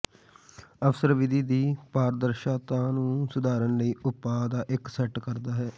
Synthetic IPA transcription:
əfsəɾʋɪd̪ʱiːd̪iːpaːɾd̪əɾʃaːt̪ãːnũːsʊd̪aːɾənləiːʔʊpːaːd̪aːʔɪksɛʈkəɾd̪aːɦɛː

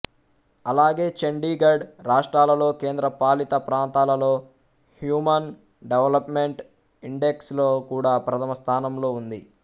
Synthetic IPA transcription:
ɐlaːɡe̞ːt͡ʃeɳɖiːɡɐɾɖɾaːʂʈɾaːlɐlo̞ːke̞ːnd̪ɾɐpaːlit̪ɐpɾaːnt̪aːlɐlo̞ː | hjuːmɐn | ɖeʋɐlɐpmeɳʈ | iɳɖeksloːkuːɽaːpɾɐt̪ʰɐmɐst̪ʰaːnɐmlo̞ːund̪i

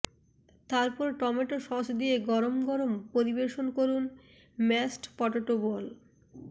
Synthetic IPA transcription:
t̪aɾpɔɾʈɔmeʈoʃɔsd̪ieɡɔɾomɡɔɾompoɾibeʃonkoɾun | mɛsʈpɔʈoʈobol

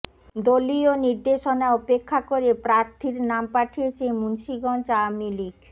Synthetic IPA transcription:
d̪olioniɾd̪eʃonaɔpekʰːakoɾepɾaɾt̪ʰiɾnampaʈʰiet͡ɕʰemunʃiɡɔnt͡ɕamilik

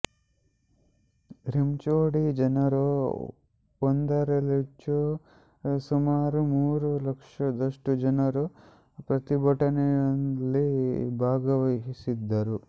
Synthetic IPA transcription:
ɾimt͡ʃoːɽid͡ʒɐnɐɾu | ond̪ɐɾɐlet͡ʃːu | sumaːɾumuːɾulɐkʂɐd̪ɐʂʈud͡ʒɐnɐɾu | pɾɐt̪ibʱɐʈɐnɛjɐnlibʱaːɡɐʋɐɦisid̪ːɐɾu

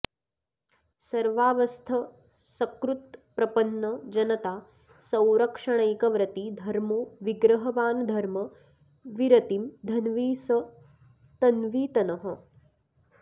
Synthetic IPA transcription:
sɐɾʋaːʋɐst̪ʰɐ | sɐkɾut̪pɾɐpɐnːɐd͡ʒɐnɐt̪aː | sɐ̃wɾɐkʂɐɳ̃ɐjkɐʋɾɐt̪id̪ʱɐɾmoːʋiɡɾɐɦɐʋaːnd̪ʱɐɾmɐ | ʋiɾɐt̪imd̪ʱɐnʋiːsɐ | t̪ɐnʋiːt̪ɐnɐɦɐ̆

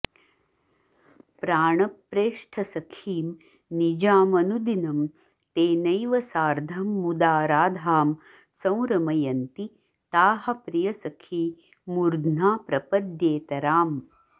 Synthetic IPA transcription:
pɾaːɳɐpːɾeːʂʈʰɐsɐkʰiːm | nid͡ʒaːmɐnud̪inɐm | t̪eːnɐjʋɐsaːɾd̪ʱɐmːud̪aːɾaːd̪ʱaːm | sɐ̃w̃ɾɐmɐjɐnt̪i | t̪aːɦɐ̆pɾijɐsɐkʰiː | muɾd̪naːpɾɐpɐd̪jeːt̪ɐɾaːm

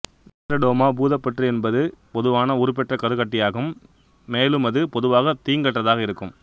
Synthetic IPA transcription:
nɪʈrɐɖoːmaːbuːðɐpːɐʈriɛnbɐðɯpɔðɯʋaːnɐʊɾɯp̬ɛʈrɐkɐðɯɣɐʈːɪjaːɣɯmː | eːlɯmɐðɯpɔðɯʋaːɣɐt̪iːŋɡɐʈrɐðaːɣɐɪɾɯkːɯm

